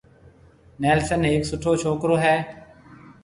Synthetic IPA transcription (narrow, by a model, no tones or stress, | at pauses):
nɛːlsənɦeːksʊʈʰoːt͡ʃʰoːkɾoːɦɛː